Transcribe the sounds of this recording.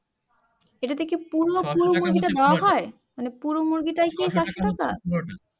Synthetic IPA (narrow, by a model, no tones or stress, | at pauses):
eʈat̪ʰekepuɾopuɾomuɾɡiʈad̪eoaɦɔe | manepuɾomuɾɡiʈaekiet͡ɕaʃoʈaka̰